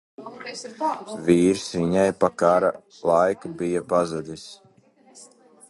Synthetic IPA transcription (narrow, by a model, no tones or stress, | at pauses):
viːɾsiɲajpakaɾa | lˠajkabijapazad̪ʲis